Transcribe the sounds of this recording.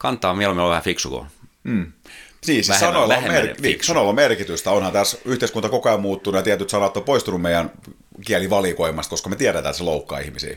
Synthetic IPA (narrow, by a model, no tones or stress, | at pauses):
kɑnt̪ːˑɑːmielomieloʋæhæfiksuko̰ | m̩ːsiːsissɑnoilomerniːsɑnolːɑmerkit̪yst̪æonhɑnt̪æsyht̪eˑiskunt̪ɑkokoˑemmuːt̪ːunːujɑt̪iæt̪yt̪sɑnɑt̪ːopoist̪unummeijæn | kiæliʋɑlikoimːˑɑst̪koskɑmet̪iæɾæt̪æːt̪seloukːɑ̰ːḭhmisḭː